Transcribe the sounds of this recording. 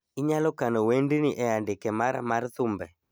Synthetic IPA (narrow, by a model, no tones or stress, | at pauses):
iɲalɔkanɔwɛndiniʔɛandekɛmaɾa̰maɾtʊmbɛ